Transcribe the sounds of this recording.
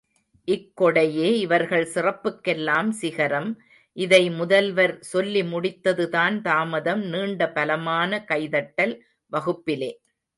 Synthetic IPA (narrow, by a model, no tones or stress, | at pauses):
ʔɪkːɔɽɐjeːɪʋɐɾɣɐɭsɪrɐpːɯkːɛlːaːmsɪɣɐɾɐm | ʔɪðɐɪmʊðɐlʋɐɾsɔlːimʊɽɪt̪ːɐðɯðaːnt̪aːmɐðɐmniːɳɖɐpɐlɐmaːnɐkɐɪðɐʈːɐl | ʋɐɣɯpːɪleː